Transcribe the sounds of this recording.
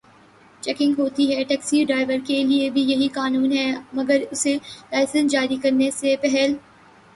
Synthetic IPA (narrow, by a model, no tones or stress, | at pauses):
t͡ʃɛːkɪ̃ŋɡɦoːt̪iɦɛʈɛːksiɖɾaːɪʋəɾkeliebʱijɐɦikaːnuːnɦɛːmɐɡəɾʊselaːɪsə̃nd͡ʒaːɾikɐɾnesepɛɦɛl